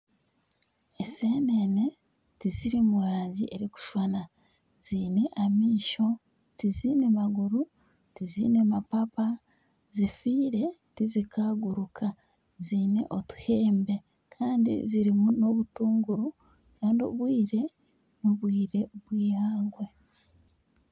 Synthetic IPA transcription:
ese̞nene̞ | tiziɾimoɾaːɲɟiʔeɾiku̥ʃwana | z̥iːne̞ʔamiːʃo̞ | tiziːne̞maɡuɾu | tiziːne̞mapapa | zifiːɾe̞tizikaɡuɾukʰa | zine̞ʔo̞tu̥heːmbe̞ | kʰaːndḭziɾimuno̞βutuːŋɡuɾu | kaːndio̰βwiːɾe̞ | noβwiːɾe̞βwiːhaːɡwe̞

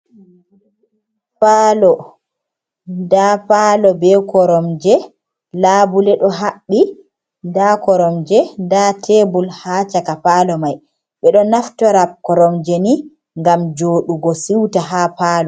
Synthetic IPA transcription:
palɔ | ndapaːlɔbɛkɔɾɔmd͡ʒɛ | laːbulɛɗɔɦaɓːi | ndakɔɾɔmd͡ʒɛndatʰebulhaːt͡ʃakapaːlɔmaj | ɓɛɗɔnaftɔɾap̚kɔɾɔmd͡ʒɛni | ŋɡamd͡ʒoːɗuɡɔsiwtaɦapaːlɔ

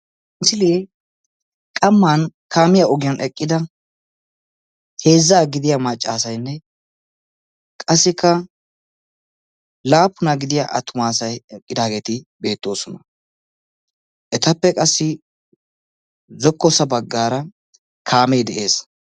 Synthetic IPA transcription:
ʔɪsɪleː | kʼɐmːaːnkʰaːmɪjaɔɡɪjɐnʔɛkʼːɪd̪ɐ | he̞ːzːaːɡɪd̪ɪjamɐt͡ʃʼːaːsɐjnːɛ | kʼɐsːɪkʰːɐ | laːpːʊnaɡɪd̪ɪjaʔɐt̪ʰʊmaːsɐjɛkʼːɪd̪aːɡeːt̪ɪbe̞ːt̪ːo̞ːsɔnɐ | ʔɛt̪ɐpːɛkʼɐsːɪ | zɔkːɔsɐbɐɡːaːɾɐ | kʰaːmɛjd̪ɛʔe̞ːs

